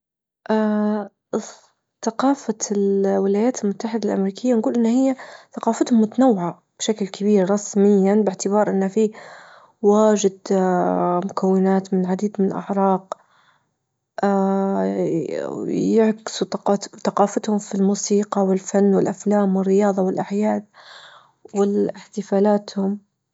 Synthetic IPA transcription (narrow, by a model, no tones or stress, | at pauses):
ʔa | θaqɑːfalwɪlaːjaːt̪ɪlmʊt̪ːaħɪd̪alʔa̰mɾiːkɪjːanɡuːlʔɪnːhɪjːaθɑqɑːfat̪hʊmːʊt̪anawːɪʕa | b̥ʃaklkʰabiːɾɾˤɑsmɪjːanbɪʕt̪ɪbɑːɾˤʔɪnːafi | waːʒɪd̪ | mʊkʰawːɪnaːt̪mɪnʕad̪iːd̪mɪnɪlʔa̰ʕɾˤɑːq | ʔa | jɪʕkɪ̥suθɑqɑːfat̪hʊmfilmuːsiːqɑwɪlfanːwɪlʔaflaːmwɪrːɪjɑːðˤɑwɪlʔaħjaːd̪̚ | wɪlɪħt̪ɪfaːlaːt̪hʊm